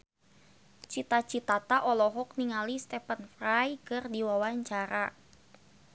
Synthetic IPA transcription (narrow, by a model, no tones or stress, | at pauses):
t͡ʃit̪at͡ʃit̪at̪aʔɔlɔɦɔk̚niŋalist̪ɛpənfrajkɨrdiwawaɲt͡ʃaɾa